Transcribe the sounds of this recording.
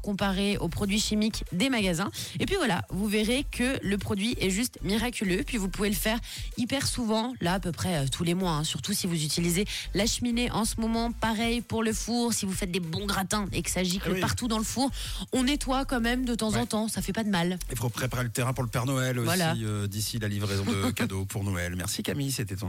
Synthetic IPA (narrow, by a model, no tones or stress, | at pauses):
kɔ̃paʁeopχɔd̪ɥiʃimikd̪emaɡazɛ̃epɥivwala̰vuveʁekʰələpχɔd̪ɥiʔɛʒyst̪miʁakʲyløpɥivupuveləfɛʁipɛʁsuvɑ̃laːpøpχɛøt̪ʰulemwaɛ̃syʁt̪usivuzyt̪ilizelaʃmineʔɑ̃səmɔmɑ̃paʁɛjpuʁləfuʁsivufɛt̪̚d̪ebɔ̃ɡʁat̪ɛ̃eksaʒikəpaʁt̪ud̪ɑ̃ləfuʁ | ɔ̃nɛt̪wakɑ̃mɛmd̪ət̪ɑ̃zɑ̃t̪ɑ̃safɛpad̪əmalefopχepaʁelət̪eʁɛ̃puʁləpɛʁnɔɛlovwswalaiød̪isilalivʁezɔ̃d̪kad̪opʰuʁnɔɛ̰lmɛ̰ʁsikʲamiset̪ɛt̪ɛ̃